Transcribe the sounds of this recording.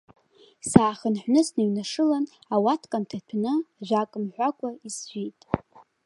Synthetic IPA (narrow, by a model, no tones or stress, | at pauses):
saːχənħʷnɨsnaɥnaʂɨlanawatʰkʼantʰatʷʰnɨaʒʷᶣakʼɨmħʷakʷʼaisʒʷᶣijtʼ